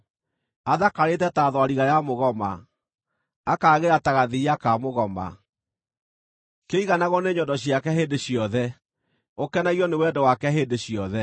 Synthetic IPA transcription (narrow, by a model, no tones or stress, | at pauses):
aðakaɾetɛtaðwaɾiɣajamoɣɔma̰ | kaːɣeɾataɣaðiakamoɣɔma̰ | keiɣanaɣɔneɲɔdɔɕiakɛɦeːndeɕjɔðɛ | okɛnaiɔnewɛdɔwakɛɦeːndeɕjɔðɛ